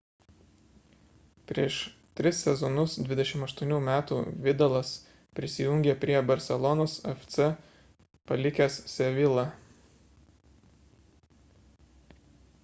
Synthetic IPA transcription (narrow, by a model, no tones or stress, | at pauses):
pʲɾʲiɛʃt̪ʲɾʲɪsːʲɛzɔnʊsd̪ʲʋʲɪd̪ʲɛʃʲɪmɐʃt̪uɔnʲuːmʲæːt̪ṵːʋʲɪd̪ɐlˠɐs | pʲɾʲɪsʲɪjʊŋʲɡʲepʲɾʲiɛbɐɾʲsʲɛlˠɔnoːsɛft̪sɛ | pɐlʲɪkʲæssʲɛʋʲɪlˠɐ